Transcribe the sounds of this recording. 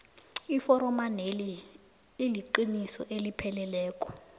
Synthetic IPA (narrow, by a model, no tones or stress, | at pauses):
ifɔɾɔmaneli | iliǃinisɔ̰ʔelipʰɛlɛlɛːkʼɔ̥